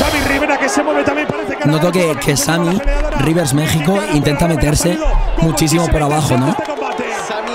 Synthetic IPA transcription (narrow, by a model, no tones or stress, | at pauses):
samiriβeɾakesemweβet̪amjemp | enot̪̬okekʰe̞samiriβ̞eɾzmexikoint̪e̞nt̪ame̞t̪e̞ɾse̞mut͡ʃis̬imopoɾaβaxo̞no